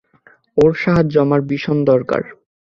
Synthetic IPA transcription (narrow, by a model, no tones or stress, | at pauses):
oɾʃaɦad͡ʑɔmaɾbiʃond̪ɔɾka̰ɾ